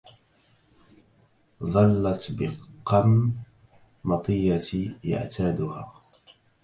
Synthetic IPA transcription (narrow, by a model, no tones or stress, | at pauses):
ðˤɑlːat̪bɪqːɑm | ɑt̪ˤɨjːat̪ja̰ʕt̪ʰaːd̪ʊhaː